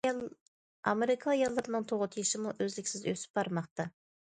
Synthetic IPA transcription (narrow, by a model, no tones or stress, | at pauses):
ɑ̰meɾɪkʰɑːjɑlˠːɨɾɨnɨŋt̪ʰoʁət̪ʰijiʃɪmuʔøzlɪkʲsɪzø̰sɪ̥p̚bɑɾmɑqt̪ɑ